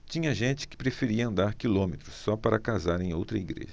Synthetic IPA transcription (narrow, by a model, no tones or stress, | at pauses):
t͡ʃĩɲɐʒẽnt͡ʃɪ̥kɪ̥pɾefeɾiɐɐ̃nd̪aɾkilõmet̪ɾʊsːɔpaɾɐkazaɾẽj̃owt̪ɾɐiɡɾḛʒɐ